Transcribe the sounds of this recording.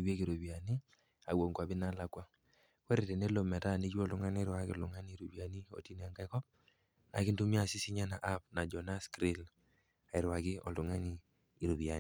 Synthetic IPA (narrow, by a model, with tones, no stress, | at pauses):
we˦ki˨ɾu˨bi˨a˨ni˦ | a˨wo˨ŋkwa˨bɪ˦na˦la˦kwa˦ | we˦ɾe˨te˨ne˦lo˨mɛ˨ta˦˨ni˦t͡ʃu˦ɔ˦˨ltʊ˦ŋa˦n˦ɾwa˦kɪ˦ɔ˨lʊ˨ŋa˦ni˦˨ɾu˨bi˨a˨ni˦o̰˨ti˦n˨a˨ŋɡa˦i˦kɔ˦p̚ | na˨kɪ˦ntu˦mi˦a˨si˦si˦ɲa˦na˨ʔa˦pna˨d͡ʒɔ˨na˦skɾi˦l | a˨ɪ˨ɾwa˨kɪ˦ɔ̰˨ltʊ˨ŋa˦niː˦˨ | ɾu˨bi˨a˨